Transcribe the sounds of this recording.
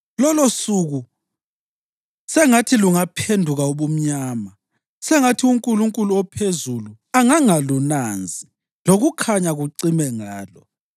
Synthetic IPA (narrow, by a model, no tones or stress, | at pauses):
lɔlosuɣu | sɛŋatʰiluŋapʰendʱuɣauβum̩ɲaːma | sɛŋatʰiuŋkʼuluŋkʼuluɔpʰezulu | aŋaŋalunand͡zʱi | loɣukʰaɲaɣuǀimɛŋaːlɔ